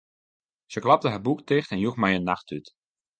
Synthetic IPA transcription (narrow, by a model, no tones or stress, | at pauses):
səklɑp̚təɦəbuktɪxtɛnjuxmɛjənːɑxtyt